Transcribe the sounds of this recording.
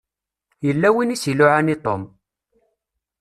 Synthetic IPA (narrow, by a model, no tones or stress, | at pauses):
jəlːæwinisilʊʕanit̪ˤo̰m